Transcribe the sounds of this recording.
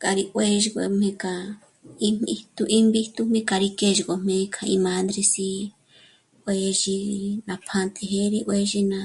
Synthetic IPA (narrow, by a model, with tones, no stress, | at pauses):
ka˨ɾi˧ʔwe˦ʒi˧kʷḛ˧mẽ˧ka˨ | i˦m˧i˧t̪u˧ʔi˦mbi˦t̪u˧m̥ẽ˦ka˧ɾi˧ke˦ʒi˧ko˧m̥ẽ˧˦˧kʰã˧i˧mã˧˦nd̪ɾi˧si˧ | we˧˦ʒi˧nã˧pʰã˧t̪e˧ɦe˦ɾi˧ʔwe˧˦ʒi˧nã˧